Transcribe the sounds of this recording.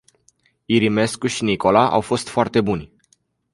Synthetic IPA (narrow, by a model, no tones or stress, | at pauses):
iɾime̞skuʃiniko̞laʔa̰wfo̞st̪foart̪e̞bunʲ